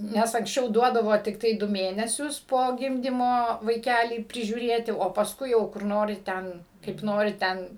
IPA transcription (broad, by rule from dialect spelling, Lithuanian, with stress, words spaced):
ˈnʲɛs ɐŋksʲˈt͡ʃʲɛʊ ˈduɔdɐʋoː tʲɪkˈtɐɪ ˈdʊ ˈmʲeːnʲɛsʲʊs poː ˈɡʲɪmʲdʲiːmoː ʋɐɪˈkʲælʲiː pʲrʲɪʒʲuːˈrʲeːtʲɪ oː pɐsˈkʊɪ jɛʊ kʊr ˈnoːrʲɪ ˈtʲɛn kɐɪp ˈnoːrʲɪ ˈtʲɛn